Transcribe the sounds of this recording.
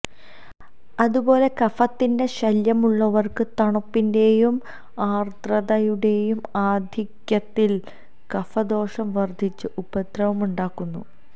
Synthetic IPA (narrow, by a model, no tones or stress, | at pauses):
ɐðubo̞ːle̞kɐfɐt̪ːinde̞ɕɐljɐmuɭːɐʋɐrkɨt̪ɐɳɐpːinde̞jum | aːrt̪rɐðɐjuɽe̞jumaːd̪ʱikjɐt̪ːil | kɐfɐd̪o̞ːʂɐmʋɐrd̪ʱit͡ɕːɨʔubɐt̪rɐʋumuɳɖaːkːunːṵ